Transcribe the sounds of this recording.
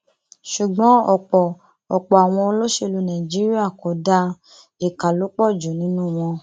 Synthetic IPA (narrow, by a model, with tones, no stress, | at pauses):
ʃu˨ɡ͡bɔ̃˨˦ɔ˨k͡pɔ˨ | ɔ˨k͡pɔ˨a˨w̃ɔ̃˧o˧lo˦ʃe˧lu˨˧nã˨i˨d͡ʒi˨˦ɾi˦a˦˨ko˨˦da˧ | e˨ka˨lu˨˦k͡pɔ˦˨d͡ʒo˨nĩ˨˦nũ˦˨w̃ɔ̃˧